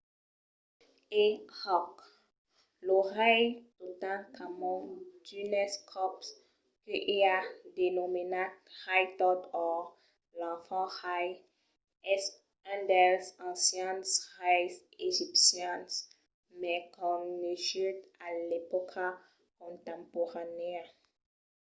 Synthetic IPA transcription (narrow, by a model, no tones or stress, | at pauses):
ehɔk | lɔʁɛjt̪ot̪ãkʰamɔ̃d̪ynɛskʰɔps | kəʔiad̪enominathajt̪ɔt̪ɔ | lɑ̃fɑ̃haj | ɛs | ɛ̃d̪ɛlsɑ̃sjɛ̃nsʁajs | eʒipsjãs | mɛkɔ̃neʃyt̪alepɔkʰa | kɔ̃t̪ɑ̃pɔʁane